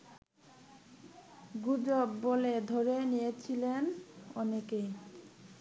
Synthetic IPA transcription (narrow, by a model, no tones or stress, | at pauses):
ɡud͡ʑobːoled̪ʱoɾenijet͡ɕʰilenɔnekej